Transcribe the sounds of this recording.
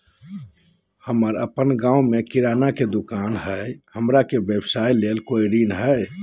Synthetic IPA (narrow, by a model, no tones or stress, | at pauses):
həməɾə̰pənɡãwmekiɾanaked̪ukanɦəjhəmɾakebebsailelkojɾinəɦəj